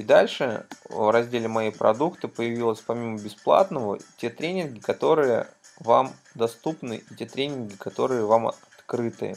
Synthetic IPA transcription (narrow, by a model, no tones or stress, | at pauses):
id̪alʲʂɨvrɐzʲdʲelʲɪmɐjipɾɐ̰d̪ukt̪ɨpəjɪvʲilˠəsʲpɐmʲiməbʲɪsplˠa̰t̪nəvə̰tʲe̞t̪ɾʲenʲɪnɡʲɪkɐt̪o̞ɾɨjə̰ | va̰m | d̪ɐst̪upnɨ̰ʔitʲe̞t̪ɾʲenʲɪnɡʲɪkɐt̪o̞ɾɨjəvam̰ɐt̪kɾɨt̪ɨ̰